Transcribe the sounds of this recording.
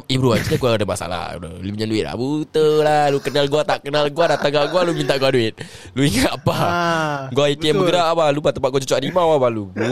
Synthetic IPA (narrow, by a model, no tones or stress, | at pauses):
ibɾuansəɡaɡuadamasa̰la̰də̰libɲanduɪt̪̚la̰but̪əlalukənalɡuat̪aʔkənalɡuadat̪aŋaɡualumint̪aʔɡuaduɪt̪̚ | luiŋaʔpa | ɡuait̪iɛmbəɡəɾaʔabalubat̪əmpat̪ʔ̚ɡuat͡ʃɔt͡ʃɔʔɾimawabalubu